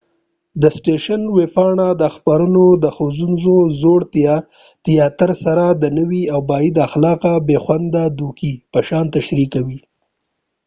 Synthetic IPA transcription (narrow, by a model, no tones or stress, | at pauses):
d̪əsʈeʃanwefɑɳad̪əxpaɾənod̪əxozunzozoɽt̪ | t̪jɑt̪əɾsaɾad̪ənəwiawbɑjid̪aːxlɑqabexwand̪ad̪ukipəʃɑnt̪aʃɾikawi